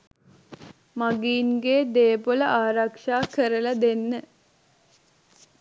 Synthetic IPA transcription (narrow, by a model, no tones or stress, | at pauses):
maɡiːnɡeːd̪eːpoləʔaːɾakʂaːkəɾəlad̪enːə